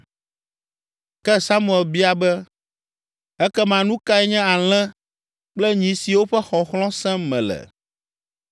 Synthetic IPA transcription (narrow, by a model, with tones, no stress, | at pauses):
kɛ˦sa˦mũ˨ɛ˨lbi˦a˨bɛ˦ | ɛ˦kɛ˦mã˨nũ˦ka˦ɛ˦ɲɛ̃˦a˨l̃ɛ̃˦ | k͡plɛ˦ɲĩ˨si˨wo˦ɸɛ˦xɔ˨xlɔ̃˦sɛ̃˦mɛ̰̃˨lɛ̰˨